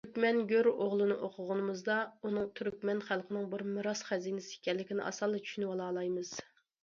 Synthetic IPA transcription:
t̪ʰyɾkʲmɛnɡʲøɾoʁlˠɨnɨʔoqʰʊʁʊnɨmɨzd̪ɑunɨŋt̪ʰyɾkʲmɛnχælˠqʰənɪŋbɪɾmɨɾɑsχɛzinɪsɪi̥kʲɛlːɪkʲinɪ̰ʔɑ̰sɑlˠːɨt͡ʃʰy̥ʃynɪwɑlˠɑːlˠɑjmɨz̥

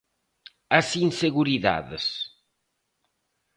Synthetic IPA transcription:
ɐsinseɣuɾiða̰ðɪs

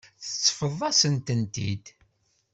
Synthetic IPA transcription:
θə̥t͡sːfəðˤːɑsənt̪ənt̪ḭd̪

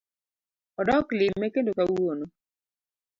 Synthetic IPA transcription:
ɔdɔklɪmːɛkendokawono

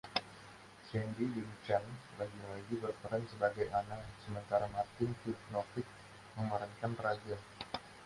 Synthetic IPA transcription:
sɛndidint͡ʃanlaɡinoloɡibərpəɾansəbaɡajanasəmənt̪aɾamart̪ɪnfifnɔfɪk̚ | məmaɾankanpəɾad͡ʒa

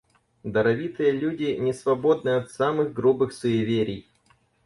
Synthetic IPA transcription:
d̪əɾɐvʲit̪ɨjəlʲudʲɪnʲɪsvɐbo̞d̪nɨjɐt̪samɨɣɡɾubɨxsʊjɪvʲeɾʲɪj

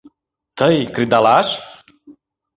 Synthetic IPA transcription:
t̪ʰəjkɾid̪alaʃ

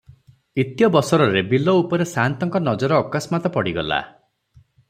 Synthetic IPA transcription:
it̪jɔbɔsɔɾɔɾebilɔupɔɾesant̪ɔŋkɔnɔd͡ʒɔɾɔːkasmat̪ɔpɔɽiɡɔla̰

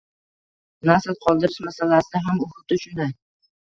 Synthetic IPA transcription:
nasɪlqʰɒlˠd̪ɪɾɪʃmasalasɪd̪aɦamʊhʊt̪ʊʃʊnd̪aj

